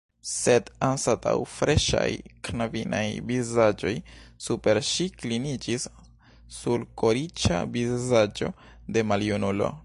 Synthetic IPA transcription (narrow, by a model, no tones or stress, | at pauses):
se̞dansata̰wfɾe̞ʃa̰jknavina̰jbizad͡ʒo̞jsupe̞ɾʃiklinid͡ʒisː | ulkoɾit͡ʃa̰bizad͡ʒo̞̰ | de̞maliunulo̞̰